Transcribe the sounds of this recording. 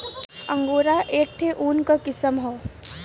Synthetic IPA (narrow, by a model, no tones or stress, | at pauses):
ə̃ŋɡoːɾaʔeːk̚ʈ̪ʰeʔuːnkakɪsəmɦoː